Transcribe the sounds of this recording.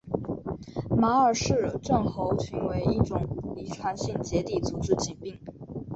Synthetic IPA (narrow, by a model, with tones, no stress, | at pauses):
ma˧˥ə˞˨˩ʂɻ̩˥˩ʈ͡ʂə˥˩nxo˧˥ʊɕʰy˧˥nwe˧˥ɪi˥˩ʈ͡ʂʊ˨˩ŋi˨˥ʈ͡ʂʰwa˧˥nɕi˥˩ŋt͡ɕjɛ˧˥t̪i˨˩t͡su˧˥ʈ͡ʂɻ̩˥˧t͡ɕi˨˩ŋpi˥˩ŋ